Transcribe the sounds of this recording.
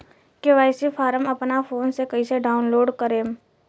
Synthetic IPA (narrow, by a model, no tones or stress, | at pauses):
keʋaːɪsifʰaːɾəmɐpnafoːnsekɐiseɖaːʊnloːɖkəɾeːm